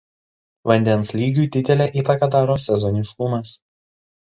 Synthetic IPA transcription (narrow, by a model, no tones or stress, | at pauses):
ʋɐnʲd̪ʲɛnslʲiːɡʲuːˑt̪ʲɪt̪ʲɛlʲɛʔiːt̪ɐkɐd̪ɑːɾoːsʲɛzɔnʲɪʃkʊmɐs